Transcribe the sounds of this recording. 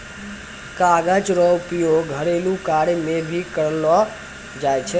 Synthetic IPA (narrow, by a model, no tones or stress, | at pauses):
kaːɡat͡ʃɾɔwpijoɡʱəɾelũkaːɽemẽbʱikəɾlo | d͡ʒaːjt͡ʃʰe